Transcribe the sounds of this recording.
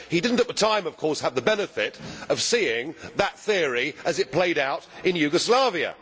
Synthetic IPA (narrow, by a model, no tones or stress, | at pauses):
hidɪdⁿn̩tɨt̪̚ðətʰãɪ̃mʌv̥kʰɔɹsəvðəbɛnɨfɪɾʌv̥siɪ̃ŋðət̪̚θɪəɹiʔɨzɨt̚pʰl̥eɪɾaʊɾɨ̃njʉɡəslɑviɨ̰